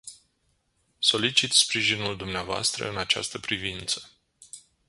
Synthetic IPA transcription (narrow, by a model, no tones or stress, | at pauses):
so̞lit͡ʃit̪spɾiʒinuld̪umneavoa̰st̪ɾə̰ɨnat͡ʃa̰st̪əpɾivint̪sə̥